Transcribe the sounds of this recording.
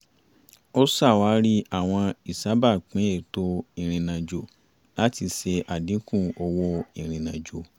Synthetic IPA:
o˦sa˦˨wa˨˦ɾi˦a˦˨w̃ɔ̃˧i˨sa˨˦ba˦˨k͡pĩ˨˦e˦˨to˧i˨ɾ̃ĩ˨nã˨d͡ʒo˨ | la˦ti˧se˧ʔa˨dĩ˨˦kũ˦˨ɔ˧wɔ˦i˨ɾ̃ĩ˨nã˨d͡ʒo˨

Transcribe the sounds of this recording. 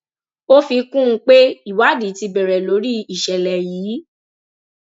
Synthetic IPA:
o˦fi˧kũ˦˧k͡pe˦i˨wa˨˦di˨˦ti˧bɛ˨ɾɛ˨lo˨˦ɾi˦i˨ʃɛ˨lɛ˨jiː˨˦

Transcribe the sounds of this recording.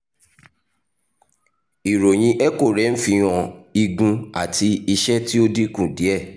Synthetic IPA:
i˨ɾo˨j̃ĩ˧ʔɛ˦ko˦˨ɾɛ˨˦n̩˦fĩ˧ɔ̃˧˨i˧ɡũ˧a˦˨ti˧i˧ʃɛ˦ti˦o˦di˦kũ˦˨di˨˦ɛ˦˨

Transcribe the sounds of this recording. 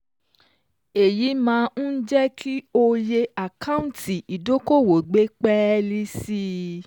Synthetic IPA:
e˨ji˨˦mãː˨˧˦n̩˦d͡ʒɛ˦kʰi˦o˧je˧a˨kã˦ũ˦tʰi˨i˨do˨˦ko˦˨wo˨ɡ͡be˦k͡pɛ˦li˦si˦

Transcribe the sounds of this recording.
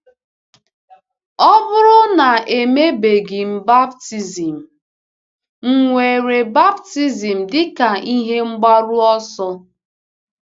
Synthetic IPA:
ɔ˦bʊ˦ɾʊ˦na˨e˨me˦be˨ɡi˨m̩˦˨ba˦bti˦zi˨m̩˨ | ŋ̩˨ŋʷe˨ɾe˨ba˦bti˦zi˨m̩˨dɪ˦ka˨i˦ɦe˦ŋ͡m̩˦ɡ͡ba˦ɾʊ˦ɔ˦sɔ˦

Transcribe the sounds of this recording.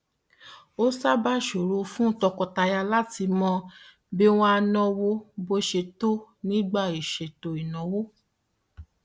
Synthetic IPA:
o˦sa˦ba˦ʃo˨ɾu˧˦fũ˦tɔ˧kɔ˧ta˧ja˧la˦ti˧mɔ̃˧ | be˦w̃ɔ̃˦a˧nɔ̃˧wo˦bo˧˦ʃe˧to˦nĩ˦ɡ͡ba˦˨i˨ʃe˨to˨i˨nɔ̃˨wo˦

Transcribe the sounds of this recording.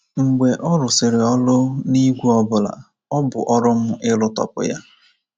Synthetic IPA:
ŋ͡m̩˨ɡ͡be˨ʔɔ˦ɾʊ˨sɪ˨ɾɪ˨ɔ˦lʊ˦ni˦ɡʷu˦ɔ˦bʊ˨la̰˨ | ɔ˦bʊ̰˨ʔɔ˦ɾʊ˦m̩˦ʔɪ˦lʊ˦tɔ̰˨pʊ̰˨ja˦

